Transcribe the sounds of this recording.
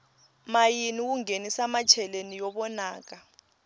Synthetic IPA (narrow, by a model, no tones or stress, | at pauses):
majinik̬uŋenisamat͡ʃʰɛlenijɔɓɔnaːk̬a